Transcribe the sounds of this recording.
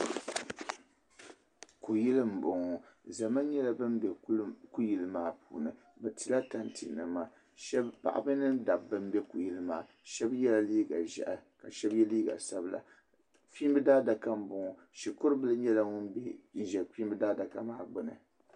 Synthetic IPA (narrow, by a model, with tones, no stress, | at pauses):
ku˨ji˦lɨ˦m̩˨bʊ˨ŋɔ˨za˨ma˦ɲɛ˦la˨˦bɨ˦mbɛ˨˦ku˦ji˨lɨ˦maː˨pṵː˨nɨ˨ | bɛ˨ti˨la˦ta˨ntḭ˨nːɨ˨maː˨ | ʃɛ˦bpa̰˨ʔa̰˨bɨ˦nɨ˦nda˨bːɨ˦m˦bɛ˦ku˨ji˦lɨ˦ma̰ː˨ | ʃɛ˦bjɛ˦la˦liː˦ɡa˨ʒɛ̰˨ʔa˨ka˨ʃɛ˦bjɛ˦liː˦ɡa̰˨sa˦bla̰˨ | fiː˦m˦bɨ˦daː˦da˨ka˦m̩˦bʊ˨ŋɔ˨ | ʃi˨kʊ˦ɾɨ˦bɨ˦lɨ˦ɲɛ˦la˦ŋʊ˦nbɛ˦n˦ʒɛ˨fi˦m˦bɨ˦daː˦da˨ka˦maː˦˨ɡ͡bʊ˨nɨ̰˨